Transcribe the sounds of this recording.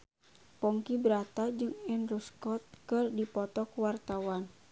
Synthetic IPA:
pɔŋkibɾat̪ad͡ʒɨŋɛnruskɔt̪̚kɨrdipɔt̪ɔkwart̪awan

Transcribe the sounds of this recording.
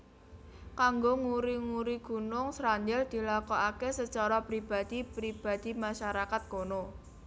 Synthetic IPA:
kaŋɡoŋuɾiŋuɾiɡ̥ṳnʊŋsɾaɲd͡ʒɛld̪̥i̤lakoʔakesət͡ʃaɾapɾib̥a̤d̪̥ipɾib̥a̤d̪̥imaʃaɾakat̪̚kono

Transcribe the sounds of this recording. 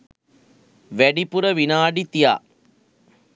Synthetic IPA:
ʋæɖipuɾəʋinaːɖit̪ija̰ː

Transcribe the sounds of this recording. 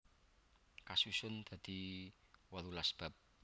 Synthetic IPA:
kasusʊnd̪̥a̤d̪̥i̤ | walulasb̥a̤p̚

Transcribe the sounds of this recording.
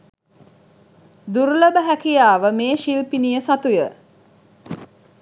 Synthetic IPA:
d̪uɾləbəɦækijaːʋəmeːʃilpinijəsat̪ujə

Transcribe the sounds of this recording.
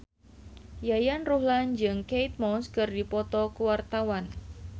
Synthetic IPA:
jajanruɦland͡ʒɨŋkejt̪̚mɔnskɨrdipɔt̪ɔkəwart̪awan

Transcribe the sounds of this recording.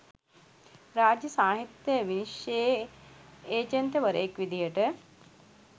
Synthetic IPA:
ɾaːd͡ʒjəsaːɦit̪jəjəʋiniʃje | eːd͡ʒənt̪əʋəɾə̰jekʋid̪ijəʈə

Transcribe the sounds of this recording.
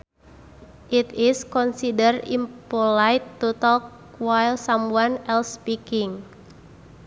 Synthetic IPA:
ʔit̪ɪskɔnsidərḭmpolajt̪ːut̪ɔk | wajlsamwanɛlspikɪŋ

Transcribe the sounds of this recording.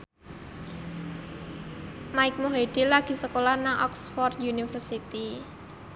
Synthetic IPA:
maɪk̚moɦed̪̥i̤laɡ̥i̤səkolahnaŋʔɔ̰ksfɔrd̪junifərsit̪i

